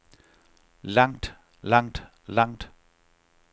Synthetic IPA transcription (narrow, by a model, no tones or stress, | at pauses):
lɑŋ̰d̥ | lɑŋ̰d̥ | lɑŋ̰d̥